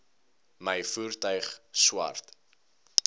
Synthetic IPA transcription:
məjfuːrtœɥχswɐ̰rt

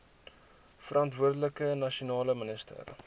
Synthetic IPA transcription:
fəɾɐntvuərdələkənɐʃiunɑːləmənəstə̰r

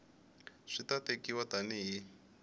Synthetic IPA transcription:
ʂitatekiwataniɦi

